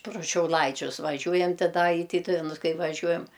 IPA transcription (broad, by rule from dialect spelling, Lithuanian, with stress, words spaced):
prʊ ʃʲɛʊˈlˠɐɪt͡ʃʲʊs ʋɐˈʒʲʊjɛnt tʲɪ ˈdɐ ɪ ˈtʲiːtʊʋʲɛnʊs ˈkɐɪ ʋɐˈʒʲuɔjɛm